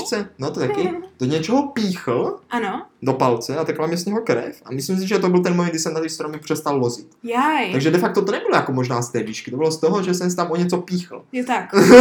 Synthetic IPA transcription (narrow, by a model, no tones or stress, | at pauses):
t͡sɛnot̪ot̪akɪd̥oɲɛt͡ʃɛɦopiːxl̩ʔanodopalt͡sɛat̪ɛklamɲɛsɲɛɦokɾɛ̰fa̰mɪslims̬ɪʒɛt̪obɪlt̪ɛnmomɛɡd̪ɪsɛmnat̪ɪst̪ɾomɪpr̥ɛst̪allozɪt̪jaj̪aɡʒɛdɛfak̚t̪ot̪onɛbɪlojakomoʒnaːst̪ɛːviːʃkɪt̪obɪlost̪oɦoʒɛsɛmst̪amʔoɲɛt͡sopiːxl̩jt̪ak